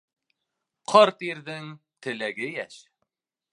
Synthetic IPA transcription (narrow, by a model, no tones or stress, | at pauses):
qʰɑɾt̪iɾðɘŋt̪ɘ̆læɡɘjæʃ